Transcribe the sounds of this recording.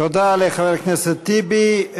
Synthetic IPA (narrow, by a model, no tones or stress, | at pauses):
od̪aleχavɛɾknɛset̪ːibi